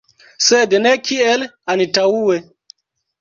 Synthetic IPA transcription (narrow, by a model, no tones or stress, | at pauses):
sed̪nekʰielanitauwe